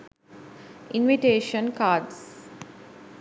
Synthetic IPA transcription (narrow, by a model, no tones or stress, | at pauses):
ĩnʋiʈeːʃə̃nkaːɖs